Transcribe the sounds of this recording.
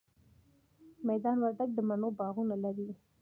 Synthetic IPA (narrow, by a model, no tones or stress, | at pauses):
mɛjd̪ɑːnwaɾʈ̪ak̚d̪əmanobɑɣunalaɾi